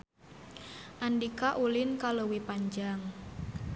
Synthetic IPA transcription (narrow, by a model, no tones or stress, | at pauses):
ʔandikaʔulɪnkalowipaɲd͡ʒaŋ